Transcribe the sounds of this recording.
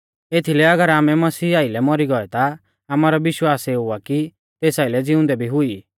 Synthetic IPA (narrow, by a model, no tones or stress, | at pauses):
et̪ʰilɛɐɡəɾaːmɛmɐsiːaːilɛmɔɾiɡɔɛt̪a | aːmaːɾɔʋɪʃwaːseʊaki | t̪eːsaːilɛd͡zɪʊ̃nd̪ɛbʱiɦʊiː